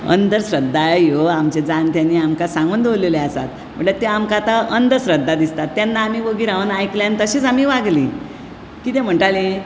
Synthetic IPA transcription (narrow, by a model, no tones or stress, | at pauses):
ə̰nd̪əɾsɾəd̪ːajoamt͡ɕed͡zant̪janːiːamkasãŋɡuːnd̪oleleasa̰t̪ | m̤əɳlet̪eamkat̪aənd̪əsɾəd̪ːad̪ist̪at̪ːjanːaːmiːʋəɡiːɾaʋənajkljant̪əɕet͡samiːʋaɡli | kit̪em̤əɳʈali